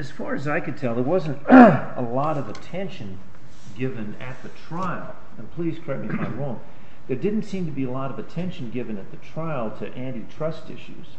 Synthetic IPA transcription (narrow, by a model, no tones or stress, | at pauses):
ɨz̥fɑɹɨzaɪkɨd̚tʰɛlˠðə˞wʌzɨ̃nt | ə̰lɔɾʌvətʰɛ̃nʃɨ̃n | ɡɪvɨ̃nɨt̪̚ðɨtʰɹ̥aɪl̩ˠ | ə̃npʰl̥iz̥kʰɹɛk̚miɨmãɪɹõʊ̃m | ðə˞dɪdⁿn̩tsĩmtɨbiəlɔɾʌvɨtʰɛ̃nʃn̩ɡɪvɨ̃nɨt̪̚ðɨtʰɹ̥aɪlˠtʰɨʔæ̃ntitʰɹ̥ʌstɪ̰ʃʉ̰z̥